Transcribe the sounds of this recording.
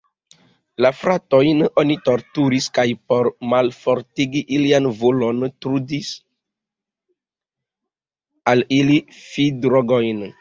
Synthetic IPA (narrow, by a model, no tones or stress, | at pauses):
lafɾatojnonitoɾtuɾiskajpoɾmalfoɾtiɡiʔilianvolontɾudis | alilifidɾoɡojn